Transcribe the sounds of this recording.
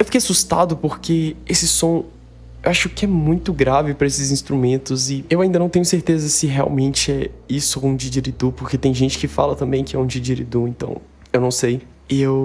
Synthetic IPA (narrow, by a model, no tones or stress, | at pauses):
ewfikejasust̪a̰d̪ʊpoɾkeesɪsõ | ewaʃʊkɪɛmũj̃t̪ʊɡɾavɪpɾɐesɪzĩst̪ɾumẽnt̪ʊzɪewaĩnd̪ɐnɐ̃w̃t̪ẽɲʊseɾt̪ezɐsɪɦea̰wmẽnt͡ʃɪɛisʊũd͡ʒid͡ʒiɾid̪upoɾket̪ẽj̃ʒẽnt͡ʃɪ̥kɪfa̰lɐt̪ɐ̃mbẽj̃kɪɛũd͡ʒid͡ʒiɾḭd̪uẽnt̪ɐ̰̃w̃ | ewnɐ̃w̃sej | ew